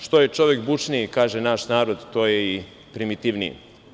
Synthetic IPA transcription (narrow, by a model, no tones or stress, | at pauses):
ʃt̪ojet͡ʃo̞ʋekbut͡ʂnikaːʒenaʃnaːɾo̞d̪t̪oːjei | pɾimit̪iʋnijḭ